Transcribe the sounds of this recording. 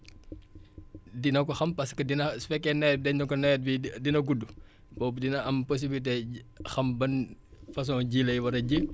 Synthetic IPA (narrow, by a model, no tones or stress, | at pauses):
dinɐkɔxɐmpɐskɐdinɐfɛkːɛnɛjt̚dɛɲɔkɔnɛt̚bidinɐɡudːu | bɔbdinɐɐmpos̬ibilit̬ɛxɐmbɐnfɐs̬ɔːɟilɐjwɐɾɐɟə